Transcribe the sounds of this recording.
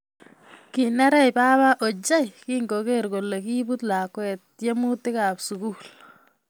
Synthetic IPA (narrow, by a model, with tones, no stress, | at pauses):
ki˨na˦ɾɛ˦jpa˦ba˦ʔo˨t͡ʃa˦jki˦ŋɡo˨ke˦ɾɡo˨lːe˨ki˦bu˦tla˨kwɛ˨t̚je˦mu˦tɪ˦ka˨psu˨ku˦l